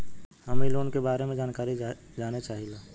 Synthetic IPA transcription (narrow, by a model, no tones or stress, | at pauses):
ɦəmiloːnkebaːɾemẽd͡ʒaːnkaːɾi | d͡ʒaːnet͡ʃaːɦilaː